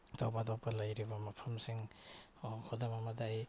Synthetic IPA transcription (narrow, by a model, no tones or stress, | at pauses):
tɔwmadɔkpalajɾibamapʰamsiŋ | ɔkʰɔdamamadaj